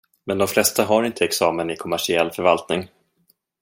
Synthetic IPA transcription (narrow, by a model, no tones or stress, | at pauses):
mɛnd̪ɔmflɛst̪aɦaɾɪnt̪ʰəɛksɑːmənɪkʰɔmæʂɪɛlːfœɾvalt̪nɪŋ